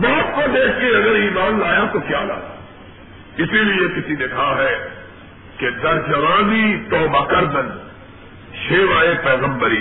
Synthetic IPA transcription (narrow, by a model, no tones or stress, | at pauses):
maːp̚kod̪eːkʰkeɐɡəɾiːmaːnlaːjat̪okjaːla̰ːja | ɪsibijekɪsid̪ekʰaɦɛ | ked̪ɐɾd͡ʒɐʋãːnit̪ɔːbakɐɾd̪ən | ʃeːʋaːepɛːɣə̃mbəɾi